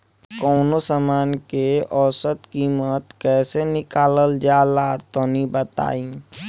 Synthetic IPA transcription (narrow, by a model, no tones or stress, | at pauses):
kɔːnosamaːnkeʔɔːsət̪kiːmət̪kɛːsenɪkaːləld͡ʒaːlat̪onibət̪a̰ːĩ